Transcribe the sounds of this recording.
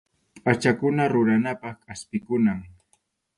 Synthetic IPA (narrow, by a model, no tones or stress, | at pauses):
at͡ʃakʊnaɾʊɾanapɑχkaspɪkʊnaŋ